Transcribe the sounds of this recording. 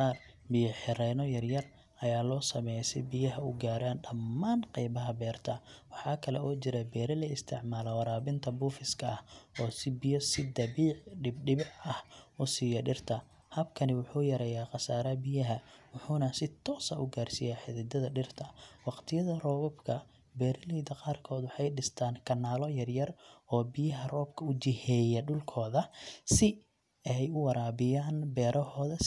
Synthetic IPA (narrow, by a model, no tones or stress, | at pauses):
ɑːr | bɪjɐħɪɾɛnɔjɐrjɐr | ʔɐjaːlɔːsɐmɛjsɛ̰bɪjɐɦɐʊɡaːɾaːnɖɐmːaːnqɛjbɐɦɐbɛːrt̪ʰɐwɑħɑːkʰɐlɛ̰ʔɔːt͡ʃɪɾɛbɛːɾɛlɐɪst̪ʰɪʕmaːlɔwɐɾaːbɪnt̪ʰɐbuːfɪskʰɐɐhɔːsɪbɪjɔsɪd̪ɐβiːʕɖɪbɖɪβɪʕɐhʔʊsiːjɐɖɪrt̪ʰɐ | hɐbkʰɐnɪwʊħuːjɐɾɐjaːqɑsaːɾɐbɪjɐɦɐwʊħuːnɐsɪt̪ʰɔːsɐʔʊɡaːrsɪjaːħɪðɪd̪ɐðɐɖɪrt̪ʰɐwɑqt̪ʰɪjɐðɐrɔːβɔbkʰɐ | bɛːɾliːd̪ɐqɑːrkʰɔːd̪wɑħɑjɖɪst̪ʰaːŋkʰɐnːaːlɔjɐrjɐrɔːbɪjɐɦɐrɔːbkʰɐʊd͡ʒɪhɛːjɐɖʊlkʰɔːðɐsɪ | ɛjʊwɑɾaːβɪjaːnbɛːɾʔɐɦɔːðɐ